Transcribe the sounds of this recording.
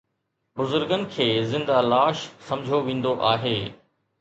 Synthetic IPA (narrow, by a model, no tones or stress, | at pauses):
bʊzʊɾɡənɪ̆kʰeːzɪ̃nd̪alaːʃsɐ̃md͡ʑʱoʋẽːn̆d̪oʔaːɦeː